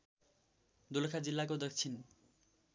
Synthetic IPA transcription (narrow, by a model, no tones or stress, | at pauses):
d̪ulkʰad͡zilːakod̪ʌk̚t͡sʰin